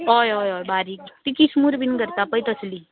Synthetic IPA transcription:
ɔjɔjɔjbaɾikʈ̪ikismuɾbʱinɡəɾt̪apəjt̪əsli

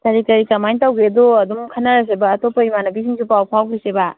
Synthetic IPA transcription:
taɾitɐɾikɐmajntawɡedoɐdumkʰɐnːaɾas̬ebɐːtopːɐimanɐbis̬iŋsupawpʰawkiseba

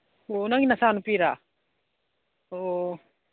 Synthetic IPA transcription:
onaŋinasanupiɾa | oʔo

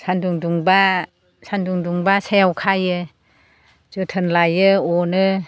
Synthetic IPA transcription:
sʰanduŋduŋba | sʰanduŋduŋbasajawkʰajɯ | z̥ɯtʰɯnlajɯɔnɯ

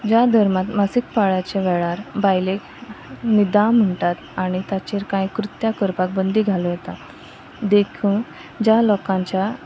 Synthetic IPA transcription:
d͡ʑad̪ʱəɾmat̪masikpaɭat͡ɕeʋɛɭaɾbajlek | nid̪am̤əɳʈat̪aɽ̃it̪jat͡ɕeɾkajkɾut̪jakəɾpak̚bənd̪ʱiɡʱalojet̪a | d̪ekʰũ | d͡ʑalɔkãɲt͡ɕja

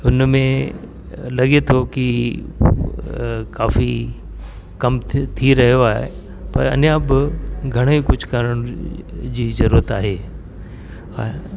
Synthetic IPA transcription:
ʊnmẽ | lɐɠet̪ʰoki | kaːfi | kɐmt̪ʰiɾɐɦijoaːɦḛ | pɐ̰ɾɐ̰njãbɪɡʱɐɽ̃oikʊd͡ʑʱkɐɾəɽ̃d͡ʑiːzɐɾuːɾət̪a̰ːɦeː

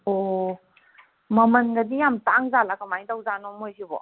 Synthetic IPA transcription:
ɔ | məmənɡadijamtaŋzalakamajdawzanɔmojɦibɔ̰

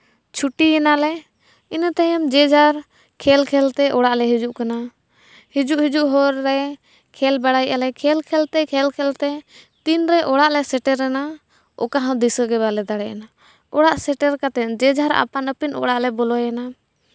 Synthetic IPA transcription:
t͡ʃʰuʈijɛnalɛ | inat̪ɛjəmd͡ʒɛd͡ʒʱaɾ | kʰɛlkʰɛlt̪ɛʔɔɽaʔlɛɦid͡ʒuʔkana | hid͡ʒuʔhid͡ʒuʔɦɔɾːɛ | kʰɛlbaɽajʔalɛkʰɛlkʰɛlt̪ɛkʰɛlkʰɛlt̪ɛt̪inɾɛʔɔɽaʔlɛsɛʈɛɾːɛna | ɔ̰kaɦãd̪isəɡɛbalɛd̪aɽɛʔa̰na | ɔɽaʔsɛʈɛɾkat̪ɛd͡ʒɛd͡ʒʱaɾa̰panəpinɔ̰ɽaʔlɛbɔlɔjana

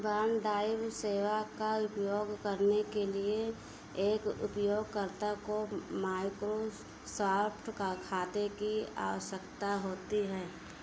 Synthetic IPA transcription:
baːnɖaːɪʋseːʋakaʊpjoːɡkəɾnekelie | eːkʊ̰pjoːɡ̚kəɾt̪akomaːɪkɾo | saːpʰʈkakʰaːt̪ekia̰ːʋəʃəkt̪aɦoːt̪iɦɛː

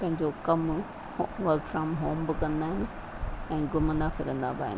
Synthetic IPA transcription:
pɐ̃ɦɪ̃ɲd͡ʑokɐm | ʋɐɾkfɾaːmɦoːmbɪkɐ̃nd̪aːɦɪnɪ̆ | ɛ̃ːɡʊmə̃nd̪afɪɾə̃nd̪a̰ba̰ːɦɪ̰n

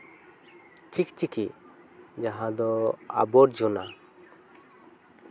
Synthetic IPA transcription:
t͡ʃʰikt͡ʃiki | d͡ʒaɦãd̪ɔa̰bɔɾd͡ʒɔna

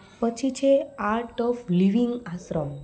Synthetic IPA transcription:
pət͡ʃʰit͡ʃʰeaɾʈɔfliʋiŋɡasɾɔm

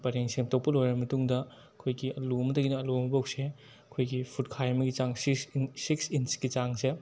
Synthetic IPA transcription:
bɐɾeŋseŋtok̚pɐlojɾɐmɐtuŋdɐ | ɐkʰojɡiɐlumɐdɐɡinɐːlumɐbawkse | ɐkʰojɡipʰut̚kʰajmɐɡit͡ʃaŋsisiksinsɡit͡ʃaŋse

